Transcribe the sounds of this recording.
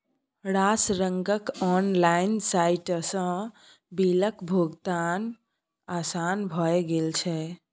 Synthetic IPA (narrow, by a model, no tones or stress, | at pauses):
ɾasɾəŋɡəkɔnlainsajʈsə̃ | biləkbʱoɡt̪an | asanbʱɔeɡelt͡ʃʰɛ